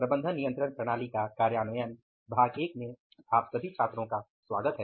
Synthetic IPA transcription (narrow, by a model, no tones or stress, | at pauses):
pɾɐbə̃nd̪ʱənːijə̃nt̪ɾəɳpɾɐɽ̃aːlikakaːɾjaːnʊjən | bʱaːɡeːk̚mẽ | aːpsɐbʱit͡ʃʰaːt̪ɾõka | swaːɡət̪ɦɛː